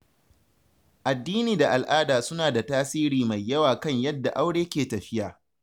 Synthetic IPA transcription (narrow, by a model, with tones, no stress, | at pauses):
ʔa˨dːiː˦niː˨da˨ʔa˨lʔaː˦daː˨sʊ˦naː˨da˨taː˦siː˦ɾiː˨ma˨jːɐ˦waː˨kɐ˦˨ɲjɐ˦dːa˨ʔa˦wɽeː˦kʲeː˨tɐ˨ɸɪ˦jaː˨